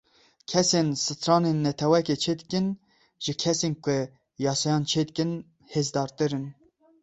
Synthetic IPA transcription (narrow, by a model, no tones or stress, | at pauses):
kʰɛsensɨt̪ʰɾɑːnenːɛt̪ʰɛwɛket͡ʃʰeːd̪ɨkɨn | ʒɪkʲʰɛsenkʊ | jɑːsɑjɑːnt͡ʃʰeːd̪ɨkɨn | heːzd̪ɑːɾt̪ɨɾɨn